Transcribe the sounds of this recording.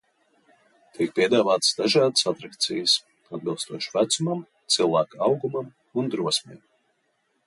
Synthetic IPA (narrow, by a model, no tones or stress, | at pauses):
t̪ʰik̚pʲiɛd̪aːvaːt̪ə̥sd̪aʒaːd̪əsat̪ɾakt̪sijəs | ad̪̚bilˠst̪uɔʃvæt̪sumam | t̪silˠvæːkawɡumam | und̪ɾuɔsmḭːm